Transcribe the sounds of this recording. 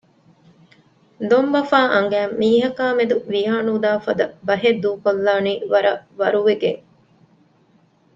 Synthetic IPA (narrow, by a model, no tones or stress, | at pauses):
d̪ombɐfaːʔɐŋ̆ɡæːmːiːɦɐkaːmed̪uʋiaːnuːd̪aːfɐd̪ɐbɐɦed̪uːkolːaːniːʋɐɾɐʋɐɾuʋeɡe